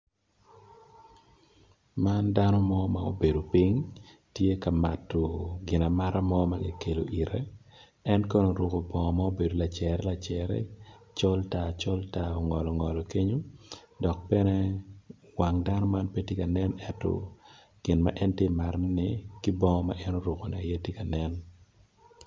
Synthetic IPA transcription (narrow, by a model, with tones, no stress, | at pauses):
mandanɔ˦mɔ˦ma˨o̰˦be˨do˨pi˦ŋ | tje˦ka˨ma˨tːo˨ɡɪ˨na˨ma˦ɾʔa˦mɔma˦ɡɪ˨ke˨lo̰˨ʔi˨ɾɛ˦ | ɛ˦nkɔ˦no˨ɾwo˨ko˨bɔ˨ŋɔ˨ma˦o˦be˨do˨la˨t͡ʃɛɾɛ˦la˨t͡ʃɛɾɛ̰ | t͡ʃɔ˦lta˨t͡ʃɔ˦ltao˨ŋɔ˨lɔ˨ŋɔ˨lɔ˨ke˦ɲo˦ | dɔ˨k̚pɛ˦nɛ˦ | waŋda˦nɔ˦ma˦npe˦te˦ka˨nɛ˦nɛ˦tɔ̰˨ | ɡ̥ɪ˨nma̰˦ʔɛ˦ntɪ˦ma˨ɾnɪkɪ˦bɔ˦ŋɔ˦ma̰ʔɛ˦no˦ɾʊ˨ko˨nɛ˨a˨jɛ˦tɪ˦ka˨nɛ˦n